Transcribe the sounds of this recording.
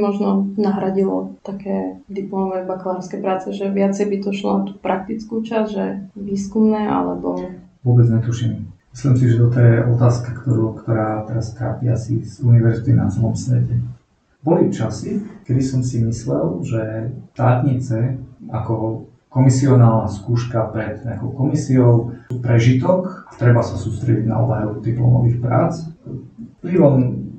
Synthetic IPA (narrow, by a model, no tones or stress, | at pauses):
mɔʒnɔnaɦɾaɟilɔt̪akɛːd̪iplɔmɔʋɛːbaklaːɾskɛːpɾaːt͡sɛʒɛʋɪat͡sɛjbit̪ɔʃlɔ̰t̪u̥pɾʔak̚t̪it͡skuːt͡ʃazʒɛʋiːskumnɛːʔa̰lɛ̰bɔ | ʋʊɔbɛd͡zɲɛt̪uʃimmislimsiʒɛt̪ɔt̪ɔjɛʔɔt̪aːskakt̪ɔɾukt̪ɔɾaːt̪ɛɾast̪ɾa̰ːpiasizuniʋɛɾzit̪ina̰t͡sɛlˠɔmsʋɛcɛ | bɔlift͡ʃasikɛd̪isɔmsimislɛlʒɛt̪aːt̪ɲit͡sɛakɔ | kɔmisiɔnaːlnaskuːʃkapɾɛt̪ɲɛakɔʊkɔmisiɔʊpɾɛʒit̪ɔkat̪ɾɛbasasuːst̪ɾɛɟiɟna̰ɔ̰baɦɛud̪iplɔ̰mɔʋiːxpɾa̰ːt͡s | plilɔm